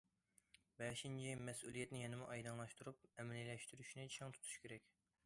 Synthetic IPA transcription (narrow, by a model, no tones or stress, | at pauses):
bɛʃint͡ʃʰimɛsulˠijɛt̪nɪjɛnɪmɪʔɑjd̪ɑŋlˠɑʃt̪ʰuɾup̚ɛmɛlɪlɛʃt̪yɾyʃnɪt͡ʃʰɑŋt̪ʰu̥t̪ʰu̥ʃkʲeɾɛkʲ